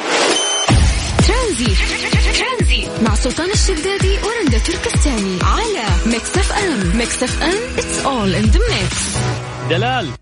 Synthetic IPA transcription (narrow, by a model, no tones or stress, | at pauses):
t̪ɾanziːt̪t̪ɾanziːt̪maʕsʊlt̪ˤɑːnɪʃːad̪ːaːd̪iwɾˤɪnd̪at̪ʊɾkɪst̪aːniʕalameksafʔammɛksafʔamʔɪt̪sʔoːlʔɪnd̪ɪmːek | d̪alaːl